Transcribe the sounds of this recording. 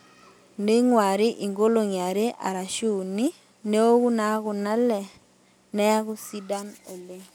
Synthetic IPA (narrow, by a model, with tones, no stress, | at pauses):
ne˦ŋwa˨ɾɪ˦ʔi˨ŋɡo˦lo˨ɲa˨ɾe˦ʔa̰˨ɾa˨ʃu˦˨ni˦ | ne˦o˦ku˦na˦kʊ˨na˦lɛ˨ | nɛ˦a˦kʊ˦si˦da˦no˨le˦